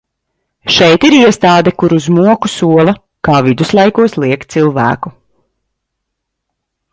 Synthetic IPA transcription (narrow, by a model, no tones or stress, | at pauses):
ʃɛjt̪iɾiɛst̪aːd̪ɛkuɾuzmuɔkusuɔlˠɐ | kaːvid̪uslˠajkuɔslˠiɛkt̪t̪silˠvæ̰ːku